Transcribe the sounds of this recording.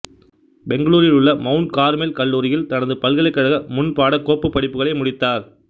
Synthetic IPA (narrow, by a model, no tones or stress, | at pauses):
bɛŋɡɐɭuːɾɪlɯɭːɐmɐʊɳɖkaːɾmelkɐɭːuːɾɪjɪlt̪ɐnɐðɯpɐlɣɐlɐɪkːɐɻɐɣɐmʊnpaːɽɐkoːpːɯpːɐɽɪpːɯɣɐɭɐɪmʊɽɪt̪ːaːɾ